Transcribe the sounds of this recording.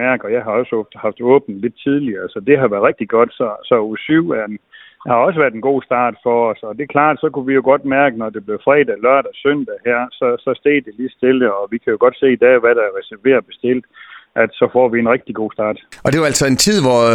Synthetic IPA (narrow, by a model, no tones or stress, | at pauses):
æɐɡ̥ɒ̽jɑ̈ɪɦɑ̈ɒ̽səɔ̥hɑ̈fd̥ɔ̰ːb̥n̩le̝d̥t͡sʰið̞ˠliɐsɒ̽d̥e̝ɦɑ̈ʋæɐd̥ˠʁɡ̥̚d̥iɡ̥ɒ̽d̥sɒ̽sɒ̽osyʊ̰æn | hɑ̈ɒ̽səʋæɐd̥enɡ̥o̝̰ːsd̥ɑ̈ːd̥fɒ̽ːsɒ̽d̥e̝kʰlɑ̰̈ːd̥sɒ̽kʰuʋijo̝ɡ̥ɒ̽d̥mæɐɡ̥ənɒd̥e̝b̥le̝ʊfʁɛd̥ælɶɐ̰d̥æsøn̰d̥æhæɐ̰sɒ̽sɒ̽sd̥e̝̰ːd̥eli̥ːsd̥e̝ləɒ̽ʋikʰæjo̝ɡ̥ɒ̽d̥se̝̰ːid̥ɛ̰ːʋæɾ̥ɑ̈æɐʁɛsæɐʋe̝̰ːɐb̥e̝sd̥e̝l̰d̥ʔæd̥sɒ̽fɒ̰ːʋienʁɛɡ̥̚d̥iɡ̥o̝̰ːsd̥ɑ̰̈ːd̥ɒd̥e̝ʋɑælsɒe̝nt͡sʰið̰ˠʋɒ